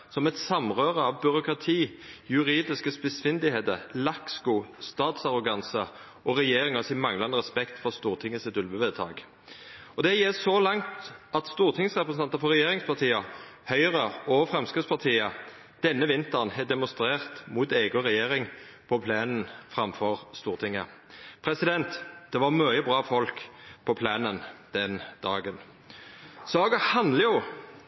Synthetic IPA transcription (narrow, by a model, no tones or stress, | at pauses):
sɔmɛt̪sɑmʁøːʁəɑʋbʏʁʊkʁɑt̪ʰiːjʉʁiːd̪ɪskəspɪsfɪnd̪ɪheːt̪əʁlɑkskuːst̪ɑːt̪sɑʁʊɡɑnsə | ʔɔʁɛjeːʁɪŋɑsɪmɑŋlɑnəʁɛspɛkt̪fɔʁst̪uːʁt̪ʰɪŋːəsɪt̪ʉlʋbəʋɛt̪ʰɑ̰ːɡ | ɔd̪ɛjɛːsɔlɑŋt̪ɑt̪st̪uːʁt̪ʰɪŋsʁɛpɾʁəsn̩ʰɑnt̪əɾfɔʁɛjeːʁɪŋspʰɑt̪ʰiːəhœʏʁəɔːfʁɛmskəspʰɑʁt̪ʰiːə | d̪̥ɛnːəʋɪnt̪əʁnhɛd̪ɛmʊst̪ɾeːʁt̪muːt̪eːɡʊʁɛjeːɾɪŋpʰɔpʰleːnn̩fʁɑmfɔʁst̪uːʁt̪ʰɪŋːəpʰɾɛsɪd̪ɛnt̪d̪̥ɛʋɑʁmœəbʁɑːfɔlkpʰɔpʰleːnənd̪̥ɛnd̪ɑːɡən | sɑːɡəhɑnd̪ləjʊ